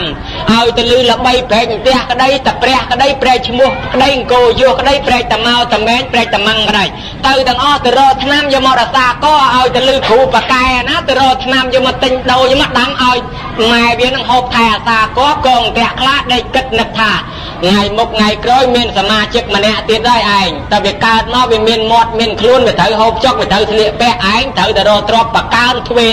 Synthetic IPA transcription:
m | ʔaɔjt̪ɨlɨːləɓəjpeːc̚ŋt̪ɛ̆əhkə̆ɗəjt̪aprɛ̆əhkə̆ɗəjprɛːc̚t͡ɕʰmuəhkə̆ɗəjŋkoːjʊəhkə̆ɗəjprɛːc̚t̪amaɔt̪amɛːɲprɛək̚t̪amaŋkə̆ɗəj | t̪əwt̪ɛ̆əŋʔɑht̪ɨɾɔːt̪ʰnamjoːmɔːɗɔsaːkŏəʔaɔjt̪ɨ̆lɨːkʰuːpakaɛanaːt̪ɨrɔːt̪ʰnamjoːmɔt̪ɨɲɗoːjːmɔɗamʔaɔj | maɛʋiənɨŋɦoːp̚t̪ʰaɛʔasaːkɔ̆əkɔːŋt̪ɛ̆əʔkʰlaːhɗeːc̚kɨt̪̚nɨk̚t̪ʰaː | ŋajmuk̚ŋajkroːjmiənsamaːt͡ɕɨk̚mənɛ̆əʔt̪iət̪̚ɗaːjʔaɛŋt̪aːʋiəkaət̪̚maɔwʋiəmiənmoət̪̚miənkʰluənʋiət̪ʰəwɦoːp̚t͡ɕok̚ʋiət̪ʰəwsʰnliəʔpɛ̆əʔʔaɛŋt̪ʰəwt̪aɾɔːt̪rɔəpːakaənt̪ʰʋeː

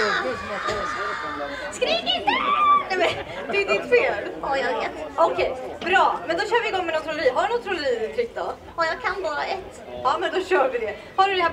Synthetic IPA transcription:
skɾiːkɪnt̪ənɛmɛn | d̪ɛd̪ɪt̪feːlɔjɑɡveːt̪ɔkʰɛjbɾɑːmɛnd̪ɔɕœːɾvɪɪɡɔŋːmɛnɔt̪ʰːɾʊlɛɾiːɦaɖɵnɔt̪ːɾʊlɛɾiːɪt̪ʰɾɪk̚t̪ɔ | ɔjɑːɡ̚kʰanbɑːɾaɛt̪ː | ɑːmɛnd̪ɔɕœːɾvɪd̪ɛ | haɖɵlɪha

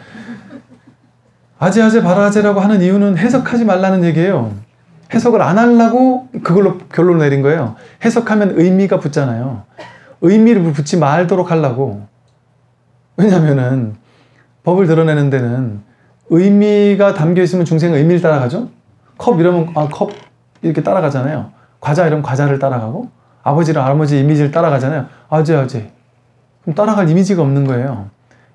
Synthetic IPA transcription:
ad͡ʑead͡ʑepaɾad͡ʑeɾaɡoɦanɯnijunɯnɦe̞sʰʌkʰad͡ʑimaɭːanɯnje̞ɡie̞jo | he̞sʰʌɡɯɾanaɭːaɡokɯɡʌɭːokjʌɭːonne̞ɾinɡʌe̞johe̞sʰʌkʰamjʌnɯjmiɡaput̚t͡ɕ͈anajo | ɯjmiɾɯp̬ut͡ɕʰimaɭdoɾok̚ʰhaɭːaɡo | we̞ɲamjʌnɯn | pʌbɯɭtɯɾʌne̞nɯnde̞nɯn | ɯjmiɡatamɡjʌis͈ɯmjʌnt͡ɕuŋs̬ʰe̞ŋɯjmiɾɯɭt͈aɾaɡad͡ʑo | kʰʌbiɾʌmjʌnakʰʌb̚ | iɾʌkʰe̞t͈aɾaɡad͡ʑanajo | kwad͡ʑaiɾʌmnkwad͡ʑaɾɯɭt͈aɾaɡaɡo | abʌd͡ʑiɾɯabʌd͡ʑiːmid͡ʑiɾɯɭt͈aɾaɡad͡ʑanajoad͡ʑead͡ʑe | kɯɾʌmt͈aɾaɡanimid͡ʑiɡaʌmnɯnɡʌe̞jo

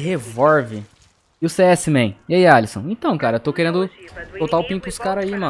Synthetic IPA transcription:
ɦevɔɾvɪ | ɪʊseɛsɪmẽj̃ijaialisõw̃ẽt̪ɐ̃w̃kaɾɐewt̪owkeɾẽnd̪ʊsowt̪aʊpĩpʊʊskaɾaimɐ̃

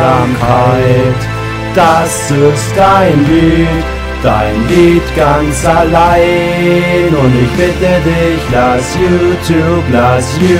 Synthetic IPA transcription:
amhaɪt | d̥asɪstd̥aɪnliːt | d̥a̰ɪnliːtɡ̥ant͡salaɪ | nʊntɪçb̥ɪtədɪçlasjuːtʰjuːblasjuː

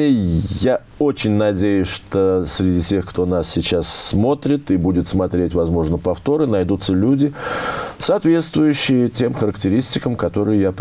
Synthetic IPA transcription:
ja | o̞t͡ɕɪnʲnɐdʲejʊsʲʂt̪o̞sʲɾʲɪdʲitʲe̞xkt̪o̞nassʲɪt͡ɕasːmo̞t̪ɾʲɪt̪ɪbudʲɪt̪smɐt̪ɾʲetʲvɐzmo̞ʐnəpɐft̪o̞ɾɨnɐjd̪ut̪səlʲudʲɪsɐːt̪vʲe̞t̪st̪vʊjʉɕːɪjətʲe̞mxəɾəktʲɪɾʲisʲtʲɪkəmkɐt̪o̞ɾɨjɪjap

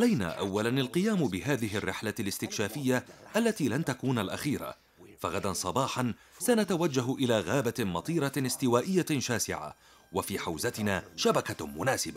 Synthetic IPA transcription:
ʔalajna̰ːʔawːalanalqɨjaːmbɪɦaːðɪɦɪrːɪħlalɪst̪ɪkʃaːfɪjːaʔalːat̪iːlant̪akuːnalʔa̰xiːɾa̰ | faɣad̪ansˤɑbɑːħɑn | sanat̪awad͡ʒːaɦʔɪlaːɣaːbamɑt̪ˤiːɾˤɑɪst̪ɪwaːʔɪjːaʃaːsɪ̰ʕa̰ | wafiːħawzat̪ɪnaːʃabakamʊnaːsɪba

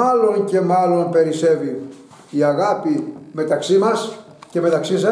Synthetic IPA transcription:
ɐlo̞nce̞mɐlo̞npe̞ɾise̞vi | iɐɣɐpime̞t̪ɐksimɐs | ce̞me̞t̪ɐksisɐ

